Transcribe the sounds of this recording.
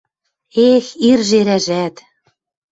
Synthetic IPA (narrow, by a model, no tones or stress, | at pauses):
exirʒeɾæʒæt̪